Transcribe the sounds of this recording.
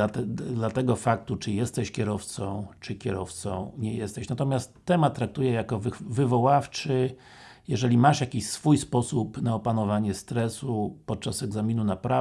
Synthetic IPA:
at̪ɛd̪lat̪ɛɡɔfak̚t̪ut͡ʂɘjɛst̪ɛɕkʲɛɾɔft̪sɔ̃w̃t͡ʂɘkʲɛɾɔft̪sɔ̰̃w̃ɲɛjɛst̪ɛɕnat̪ɔmʲjast̪ːɛmat̪ːɾak̚t̪ujɛjakɔvvɘvɔwaft͡ʂɘ | jɛʐɛlʲimaʂjakʲiɕsfujspɔsupnaɔpanɔvaɲɛst̪ɾɛsupɔt̪̚t͡ʂasɛɡzamʲinunapɾa

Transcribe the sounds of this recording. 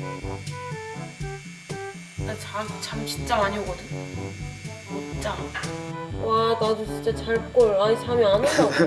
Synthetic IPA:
at͡ɕasot͡ɕamt͡ɕint͡ɕ͈amaɲioɡʌdɯɲ | ot͡ɕ͈a | wanadut͡ɕint͡ɕ͈at͡ɕaɭpuk͈oaisʰamjʌnanʌ

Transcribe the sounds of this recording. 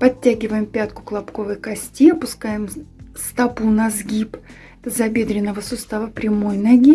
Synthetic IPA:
pɐtʲːæɡʲɪvəjɪmpʲat̪kʊ̥klˠɐpko̞vəjkɐsʲtʲiɐpʊskajɪmst̪ɐpunɐzɡʲip | ɛt̪əzɐbʲe̞d̪ɾʲɪnːəvəsʊst̪avəpɾʲɪmojnɐɡʲi

